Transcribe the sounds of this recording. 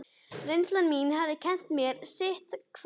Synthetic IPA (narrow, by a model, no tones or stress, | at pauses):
rejnslanminhavðɪcʰɛn̥t̪mjɛɾsɪht̪kʰv